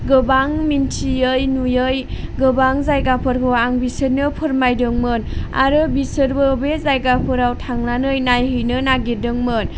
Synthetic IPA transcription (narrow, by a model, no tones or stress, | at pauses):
ɡɯbaŋmintʰiɯjnujɯjɡɯbaŋzajɡapʰɯɾkʰoaŋbisɯɾnɯpʰɯɾmajdɯŋmɯna̰ɾɯbisɯɾbɯbezajɡapʰɯɾawtʰaŋnanɯjnajɦɯjnɯnaɡedɯŋmɯn